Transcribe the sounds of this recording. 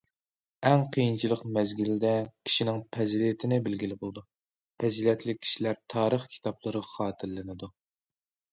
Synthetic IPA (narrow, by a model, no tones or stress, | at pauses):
ɛŋqʰijint͡ʃʰilˠəqmɛzɡʲild̪ɛkʲʰi̥ʃinɪŋpʰɛzlit̪ʰɪnɪbɪlɡʲilɪbolˠɨd̪u | pʰɛzilɛt̪ʰlɪkʲʰːi̥ʃilæɾt̪ʰɑːɾəχkʲʰi̥t̪ʰɑplˠəɾɨχɑːt̪ʰɨɾllːɪnɪd̪u